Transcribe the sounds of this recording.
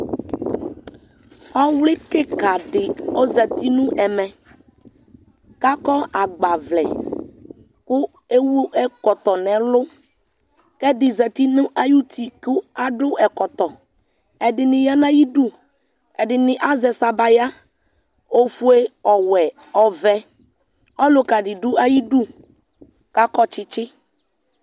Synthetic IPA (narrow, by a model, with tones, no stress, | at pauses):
ɔ˦wlɪ˦kɪ˦ka˨ɖɪ˨o˦zɛ˨t̪i˦nũ˦ʔɛ˨mɛ̃˨ | ka˦kɔ˦ʔa˨ɡ͡ba˨vlɛ̰˨ | kʊ˦ | e˦wu˦ʔɛ˦kɔ˨t̪ɔ˨nɛ̃˨lʊ˦ | kɛ˦ɖɪ˨zɛ˨t̪i˦nʊ̃˦ʔa˦ju˦t̪ʰi˨kʊ˦a˦ɖʊ˦ʔɛ˨kɔ˨t̪ɔ˨ | ɛ˨dɪ˨nɪ̃˨ja˦nã˦ji˦du˦ | ɛ˨dɪ˨nɪ̃˨ʔa˦zɛ˨sa˨ba˨ja˦ | o˦fu˦e˦ɔ˨wɛ˨ | ɔ˨vɛ˦ | ɔ˦lʊ˨˦ka˨ɖɪ˨dʊ˦a˦ji˦du˦ | ka˦kɔ˦t͡ʃɪ˦t͡ʃɪ˦